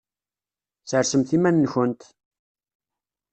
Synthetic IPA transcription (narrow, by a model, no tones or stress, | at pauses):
θəɾsəmθimænːçənt̪